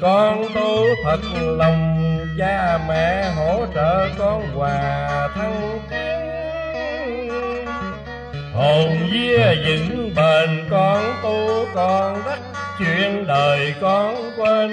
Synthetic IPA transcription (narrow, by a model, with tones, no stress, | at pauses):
kɔ˧nt̪u˧t̪ʰə˨˩t̚lə˨˩wŋ͡mt͡ɕaː˧mɛ̰˧˨ɦo̰˧˥t͡ɕəː˧˨kɔ˧nkwaː˨˩t̪ʰa˧wt̪i˨˦ən | ho˨˩mzi˧əzɨ̰˧˥ŋɓe˨˩nkɔ˧nt̪u˧kɔ˧˩nzə˦˥t̚t͡ɕwḭ˧˨ənɗəː˨˩jkɔ˧nkwe˧n